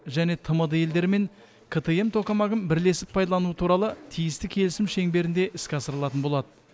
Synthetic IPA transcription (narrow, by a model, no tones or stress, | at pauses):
ʒæne̞t̪ʰəməd̪əe̞ld̪e̞ɾme̞ŋ | kʰət̪ee̞mt̪ʰo̞qɑmɑʁəmbɪɾle̞sɪpʰːɑjd̪ɑlˠɑnuwət̪ʰuɾɑlˠət̪ʰijɪst̪ɪkʲʰe̞lɪsɪmʃe̞ŋbe̞ɾɪnd̪e̞ʔɪskʲɑsəɾlˠɑt̪ənbo̞lˠɑd̪ə